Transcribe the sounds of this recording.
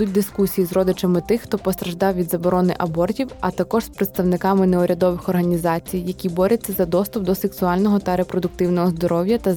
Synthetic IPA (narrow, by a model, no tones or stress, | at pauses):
ut̚ʲd̪ɪskusʲijizrɔd̪ɪt͡ʃɐmɪt̪ɪxt̪ɔpɔst̪ɾɐʒd̪ɑwʋʲid̪zɐbɔɾɔnɪʔɐbɔrtʲiwɐt̪ɐkɔʒ̥spɾɪt̪st̪ɐwnɪkɑmɪnɛʊɾʲɐd̪ɔʋɪxɔrɦɐnʲizɑt͡sʲijːɐkʲibɔɾʲɐt͡sʲːɐzɐd̪ɔst̪ʊp̚d̪ɔseksʊɑlʲnɔɦɔt̪ɐɾepɾɔd̪ʊk̚t̪ɪwnɔɦɔzd̪ɔɾɔwʲjɐt̪ɐ